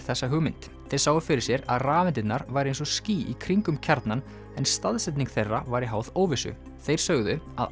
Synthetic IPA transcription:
θɛsːaɦʏɣmɪnt̪ | θɛɾsaːwʏfɪɾɪɾ̥sjɛɾa̰ðraːvɛnt̪ɪt̪naɾvajɾɪejnsɔsciːʔikʰɾiŋkʏmcʰaɾt̪nan | ɛnst̪aðsɛt̪niŋkθejrːavajɾɪɦawðoːwvɪsʏ̰ | θejɾ̥sœɣðʏa̰ð

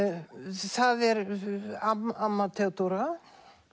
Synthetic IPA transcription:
θaðɛɾaamːat̪ʰɛt̪oɾa

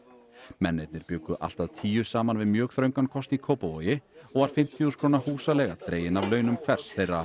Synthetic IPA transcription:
mɛnːejt̪nɪɾ̥pjœːkʏʔa̰l̥t̪aðt̪ʰiːjʏsaːmanvɪðmjœːɣθɾœɥŋkankʰɔst̪ikʰoːwpavojɪɔɣvaɾ̥fɪm̥t̪ʰjuskʰɾoːnahuːsalɛɣat̪ɾeːjɪnavlœːɥnʏmkʰvɛr̥sθejrːa

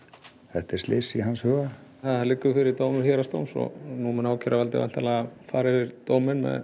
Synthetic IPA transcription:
θɛht̪ɛɾ̥slɪsiɦanshœːɣaθaðhalɪkːʏfɪɾɪɾt̪oːwmɪɾçɛːɾast̪o̰wnsɔ̰ɣnumɛnaːwcʰɛɾʔavalt̪ɪ̰vɛ̰n̥t̪ʰalaafaːɾɪɪɾt̪oːwmɪnmɛ̰ð

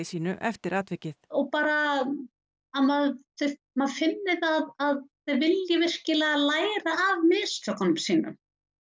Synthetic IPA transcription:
isiːnʏʔɛft̪ɪɾaːt̪vɛcɪθɔɣpaːɾa | amaðθœ | maðfɪnːɪðaðaðθœvɪljavɪr̥cɪlɛɣalaːjɾaːvmɪðst̪œkanmsiːnʏ̰m

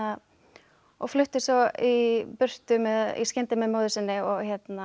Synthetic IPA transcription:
a | ɔɣflʏht̪ɪsɔipʏr̥t̪ʏmɛðḭskcɛnt̪ɪmɛðmoːwðʏsɪnːɪɔɣçɛt̪na

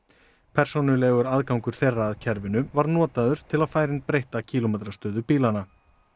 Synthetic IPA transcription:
pʰɛr̥sownʏlɛɣʏɾaðkawŋkʏɾ̥θejrːaːðcʰɛɾvɪnʏvaɾnɔːt̪aðʏɾ̥t̪ʰɪlaðfaːjɾɪnpɾejht̪acʰiːlomɛːt̪ɾast̪œːðʏpiːlana

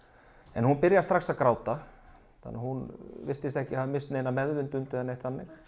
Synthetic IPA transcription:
ɛnhunpɪɾjast̪ɾaxsaðkɾaːwt̪a | θa̰nːahunvɪr̥st̪ɪst̪ɛhcɪamɪnst̪neːjnamɛðvʏnt̪ʏnt̪ɪðanejht̪θanːɪx

